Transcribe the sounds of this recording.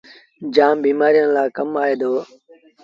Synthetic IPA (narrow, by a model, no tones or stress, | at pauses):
d͡ʒaːmbiːmaːɾijənlaːkəmaːeːd̪oː